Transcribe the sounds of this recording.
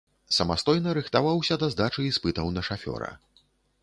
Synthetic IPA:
sɐmast̪ɔjnɐɾɨxt̪avawsʲɐd̪ɐzd̪at͡ʂɨispɨt̪ɐwnɐʂafʲɔ̰ɾɐ̰

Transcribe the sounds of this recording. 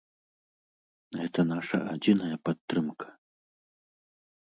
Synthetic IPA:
ɣɛt̪ɐnaʂɐ̰ʔad͡zʲinɐjɐpat̪ːɾɨmkʰɐ̥

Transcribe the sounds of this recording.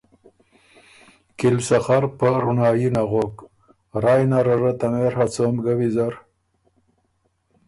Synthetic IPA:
kilsaxaɾpəɾunɑːjinaʁok | ɾaːjnaɾaɾət̪ameɾhat͡somɡawizaɾ

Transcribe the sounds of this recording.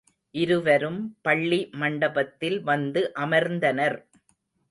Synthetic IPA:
ʔɪɾɯʋɐɾɯmpɐɭːimɐɳɖɐbɐt̪ːɪlʋɐnd̪ɯʔɐmɐɾnd̪ɐnɐɾ

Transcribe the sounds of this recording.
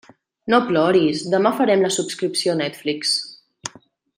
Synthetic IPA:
noplɔɾizd̪əmafəɾɛmləsupskɾipsionɛt̪fliks

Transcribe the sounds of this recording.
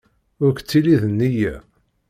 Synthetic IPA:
ʊɾkt͡sːiliðənːijæ

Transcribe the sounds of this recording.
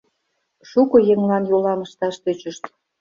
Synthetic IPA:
ʃukɤ̆jeŋlɑnjolɑməʃt̪ɑʃt̪øt͡ɕəʃt̪

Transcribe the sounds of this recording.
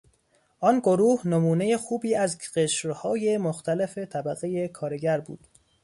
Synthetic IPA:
ʔɒnɡo̞ɾuːhnomuːne̞jexuːbiːæzɢeʃɾhɒːje̞moxt̪ʰæle̞fet̪ʰæbæɣeje̞kʰɒːɾeɟæɾbṵːd̪̥

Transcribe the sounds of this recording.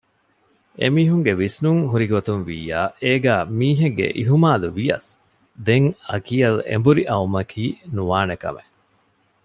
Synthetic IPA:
ḛmiːɦuŋɡeʋisnuŋɦuɾiɡot̪unʋḭːaːeːɡæːmiːɦeɡɡːḛʔiɦumaːluʋijɐ̰s | d̪eŋɐkiɐlḛmbuɾiʔɐumɐkʰiːnuʋaːnekɐ̰me

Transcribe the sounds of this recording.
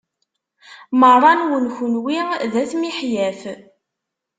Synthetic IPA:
mərˤɑnwənçʊnwiðæθmiħjæθ

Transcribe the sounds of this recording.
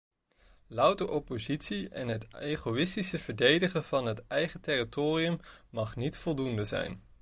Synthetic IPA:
lʌwtəʔɔpozitsiɛnɦətejχoɪstisəv̥əɹdejdəχəv̥ɑnɦətɛjχətɛritoːriəmmɑχnitfɔlˠdundəzɛ̰jn

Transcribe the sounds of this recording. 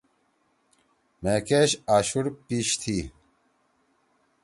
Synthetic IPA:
meːkeːɕaːɕuɾpiːɕt̪ʰi

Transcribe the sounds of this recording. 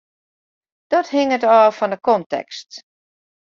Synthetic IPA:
d̥ɔthɪŋətɔːfɔndəkɔntɛ̰kst

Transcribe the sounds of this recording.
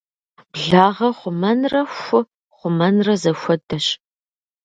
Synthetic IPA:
b̥ɮaːʁɐχʷʊmɐnrɐxʷʊ | χʷʊmɐnrɐzɐxʷɔdɐɕ

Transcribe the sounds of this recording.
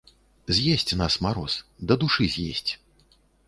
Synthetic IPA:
zʲjesʲt͡sʲnasmaɾɔsd̪ɐd̪uʂɨzʲjḛsʲt͡sʲ

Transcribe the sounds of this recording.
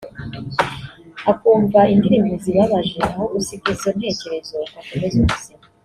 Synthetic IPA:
akuːɱvaiŋdiɾimbiziβaβaʒeaho̞usiɡizon̥he̞ːce̞ɾe̞zo̞akomezumuzia

